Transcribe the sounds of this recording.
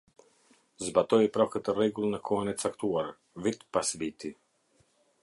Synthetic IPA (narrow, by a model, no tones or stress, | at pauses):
zbat̪ɔjpɾɔkət̪ərɛɡulˠnəkʰɔnɛt̪t͡sakt̪uaɾ | vit̪pasvit̪i